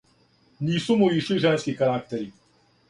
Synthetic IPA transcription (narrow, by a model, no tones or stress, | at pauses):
nʲisumujiʂujʐɛnskʲixaɾak̚t̪ɛɾi